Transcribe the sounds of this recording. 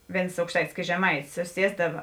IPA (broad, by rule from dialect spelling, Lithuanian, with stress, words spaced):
ˈʋʲeːns ɐʊkʃˈtɐɪtʲɪs ˈkʲeːts ʒʲɛˈmɐɪtʲɪs sʊˈsʲiɛzdɐʋɐ